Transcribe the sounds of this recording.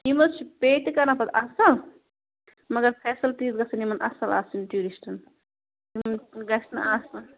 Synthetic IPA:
nimɐt̪t͡ʃʰipeːʈ̪ikɐɾnɐpʰɐt̪ɐsɐl | mɐɡɐɾpʰɛːsɐlt̪iːzɡɐsɐnimɐnʔɐ̰sɐla̰ːsinʈuːɾiʃʈʰɐn | imɡɐsʰnɐ̰ʔaːsɐn

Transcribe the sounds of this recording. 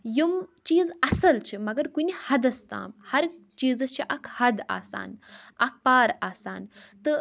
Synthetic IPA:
jumt͡ʃiːzɐsɐlt͡ʃʰimɐɡɐɾkunihɐd̪ɐst̪a̰ːmhɐɾ | t͡ʃiːzɐst͡ʃʰiʔɐkʰhɐd̪a̰ːsa̰ːnɐk̚ʰpaːɾaːsa̰ːnt̪ɨ

